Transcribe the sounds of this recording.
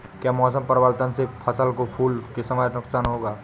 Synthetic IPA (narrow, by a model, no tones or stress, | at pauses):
kjaːmɔːs̬əmpəɾʋaːlt̪ənsepʰɐsəlkopʰuːlkesɐmaːjt̪nʊksaːnɦoːɡaː